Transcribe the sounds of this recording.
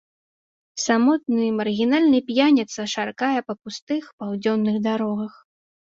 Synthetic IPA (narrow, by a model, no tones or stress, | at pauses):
samɔt̪̚nɨmɐrɣʲinalʲnɐjpʲjanʲɛt̪sɐʂarkajɛpɐpust̪ɨxpawd͡zʲɔnːɨɣd̪aɾɔɣɐx